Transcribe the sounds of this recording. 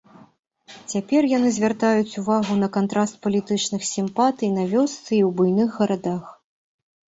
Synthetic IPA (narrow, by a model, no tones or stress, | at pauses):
t͡sʲapʲɛrjanɨzʲvʲart̪ajut͡sʲuvaɣunɐkant̪ɾʔast̪̚pɐlʲit̪ɨt͡ʂnɨxsʲimpat̪ɨjinɐvʲɔst̪sɨiwbujnɨxːɐɾad̪ax